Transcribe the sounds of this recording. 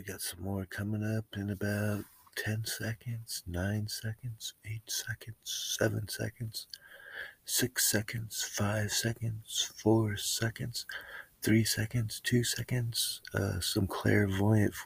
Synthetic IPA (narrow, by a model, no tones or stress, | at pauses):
ɨɡɑtsʌ̃mɔɹkʰʌmɪ̃ŋʌpɨ̃nɨbaʊtʰɛ̃nsɛkɨ̃ndz̥nãɪ̃nsɛkɨ̃n̩dz̥eɪtsɛkɨ̃n̩dz̥sɛvɨ̃nsɛ̰kɨ̃ndz̥ | sɪksɛkɨ̃ndz̥faɪv̥sɛkɨ̃ndz̥fɔɹsɛkɨ̰̃ndz̥θɹisɛkɨ̃ndz̥tʰʉsɛkɨ̃ndz̥ʌ̰sʌ̃mkʰl̥ɪ̰ɹvɔɪɨ̃nt